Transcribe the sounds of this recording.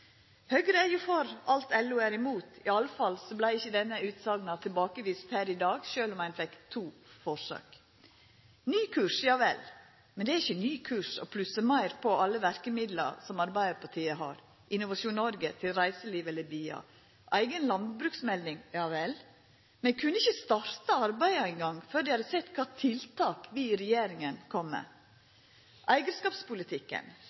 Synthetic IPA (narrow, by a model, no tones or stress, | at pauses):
høːɡɾəæjʊfɔɾɑlt̪ɛlːʉæɾɪmuːt̪ɪɑlːəfɑlsɔblæɪɪçːəd̪ɛnːəʉːt̪sɑːɡnɑt̪ʰɪlbɑːkəʋiːst̪hæːɾɪd̪ɑːɡʃøːlɔmæɪnfɛkt̪ʰuːfɔʂɑ̰ːk | nyːkʰʉːʂjɑːʋɛ̰l | mɛnd̪ɛæɾɪçːənyːkʰʉːʂɔ̰pʰlʉsəmɑɪɾpʰɔɑlːəʋæɾkəmɪd̪lə̰sɔmɑɾbæɪd̪əpʰɑʈʰiːəɦɑ̰ːɾ | ʔɪnʊʋɑʂuːnnɔɾɡət̪ʰɪlɾæɪsəliːʋɛləɾbyːɑ̰ | ʔæ̰ɪɡənlɑnd̪bɾʉːksmɛld̪ɪŋjɑːʋɛl | mɛnkʰʉnːəɪçəst̪ɑɾt̪əɑɾbæɪəæɪŋɡɑŋføːɾd̪ɪhɑd̪əsɛt̪ːkʰɑːt̪ʰɪlt̪ʰɑːkʋɪɾɛjeːɾɪŋənkʰɔmːə̰ | ʔæɪɡəskɑːpspʊlɪt̪ʰɪkːə̰n